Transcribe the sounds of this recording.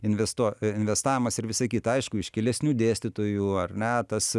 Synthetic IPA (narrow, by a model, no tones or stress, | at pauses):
ɪnʲʋʲɛst̪uɪnʲʋʲɛst̪ɑːʋʲɪmɐsɪɾʋʲɪsɐɪkʲiːt̪ɐɐɪʃkʊɪʃkʲɛlʲɛsʲnʲuːd̪ʲeːsʲt̪ʲɪt̪oːjuːɐrʲnʲɛt̪ɐs